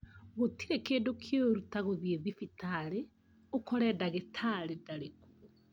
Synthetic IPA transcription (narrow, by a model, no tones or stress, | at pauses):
ɣotiɾekeːndokʰjoɾutaɣoðieðifitaɾe | okɔɾɛdaɣetʰaɾedaɾeko̥